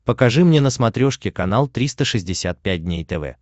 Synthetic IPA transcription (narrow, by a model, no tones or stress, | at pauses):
pəkɐʐɨmnʲenəsmɐt̪ɾʲoʂkʲɪkɐnalˠt̪ɾʲist̪əʂɨzʲdʲɪsʲat̪̚pʲæt̚ʲdʲnʲejt̪ɛvɛ̰